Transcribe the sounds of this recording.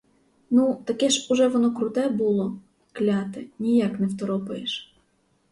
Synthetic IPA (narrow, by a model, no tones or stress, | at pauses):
nut̪ɐkɛʃuʒɛʋɔnɔkɾʊt̪ɛbulˠɔ | klʲɑt̪ɪnʲijɑknɛwt̪ɔɾɔpɐjeʃ